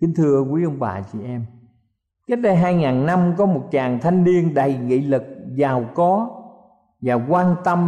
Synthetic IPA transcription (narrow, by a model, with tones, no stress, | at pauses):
kï˧˦nt̪ʰɨ˧əkwu˧˨˦jʔə˧wŋ͡mɓa̰ː˨˩t͡ɕḭ˧˨ʔɛ˧m | kə˦˥t̚ɗə˧jɦaː˧jŋaː˨˩nna˧mkɔ˨˦mo˨˩t̚t͡ɕaː˨˩ŋt̪ʰa˧jŋ̟li˧ənɗə˨˩jŋḭ˧˨lɨ˨˩k̚zaː˨˩wkɔ˨˦ | vaː˨˩kwaː˧nt̪ə˧m